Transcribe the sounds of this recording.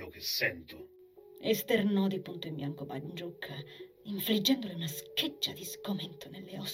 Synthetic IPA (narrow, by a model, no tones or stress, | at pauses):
okesːɛnt̪o | est̪ernɔd̪ipunt̪oimbjaŋkoba̰nd͡ʒukʰːa | iɱfɾid͡ʒːɛnd̪oliunasked͡ʒːad̪iskoment̪ʰonelːeɔs